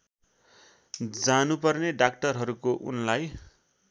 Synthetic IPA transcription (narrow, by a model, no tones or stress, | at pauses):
d͡zanupʌrneɖak̚ʈʌrɦʌɾukoʔunlaj